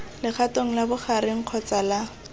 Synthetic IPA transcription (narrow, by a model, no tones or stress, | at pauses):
lɪχʰatoŋ̩labʊχaɾɪŋ̩q͡χʰɔt͡sala